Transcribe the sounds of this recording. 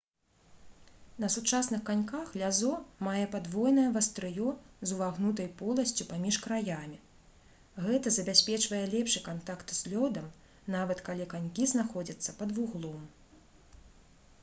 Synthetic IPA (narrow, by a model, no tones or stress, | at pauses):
nɐsut͡ʂasnɨxkanʲkaxlʲazɔmajɛpad̪vɔjnɐjɐvɐst̪ɾɨjɔzuvaɣnut̪ɐjpɔlˠɐsʲt͡sʲupamʲiʂkɾajamʲi | ɣɛt̪ɐzɐbʲasʲpʲɛt͡ʂvɐjɛlʲɛpʂɨkant̪akt̪zʲlʲɔd̪ɐm | navɐt̪kalʲikanʲkʲiznaxɔd͡zʲɐt̪sːɐpɐd̪vuɣlˠɔm